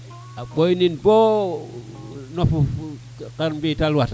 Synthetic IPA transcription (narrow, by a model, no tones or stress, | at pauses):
aɓojninbo | nofu | kaɾmbitalwata